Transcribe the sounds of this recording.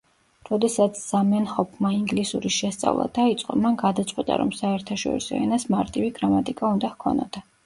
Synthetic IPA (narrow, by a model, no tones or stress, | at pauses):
ɾɔd̪ɛsat̪sʰz̥amɛnhɔpʰmaiŋɡlisuɾiʃɛst̪sʼa̰vlˠa̰d̪̥ait̪sʼqʼɔmanɡad̪at̪sʼqʼwit̪ʼa̰ɾɔmsaɛɾt̪ʰaʃɔ̰ɾḭsɔ̰ɛnasmaɾt̪ʼiviɡɾamat̪ʼikʼaund̪ahkʰɔna̰d̪̥